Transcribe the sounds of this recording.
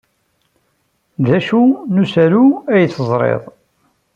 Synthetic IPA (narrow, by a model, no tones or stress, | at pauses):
ðæʃunusæluæjt͡sːəzˤɾˤḛðˤ